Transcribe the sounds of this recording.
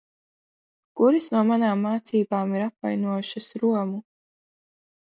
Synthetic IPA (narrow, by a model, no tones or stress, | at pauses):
kuɾisnuɔmanaːmːaːt̪siːbaːmiɾapva̰jnuɔjʃɐsɾuɔmu